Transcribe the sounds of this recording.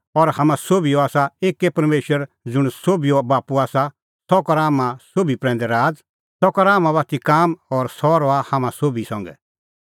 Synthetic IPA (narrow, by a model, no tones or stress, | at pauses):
ɔɾhamãsoːbijoaːsaeːkːepɐɾmeːʃwəɾ | d͡zʊɽ̃soːbijobaːpuaːsa | sɔkɔɾaːmãsoːbipɾɛ̃ːnd̪ɛɾaːd͡z | sɔkɔɾaːmãβaːt̪ʰikaːmɔɾsɔːɾɔahamãsoːbisɐ̃ŋɡɛ̰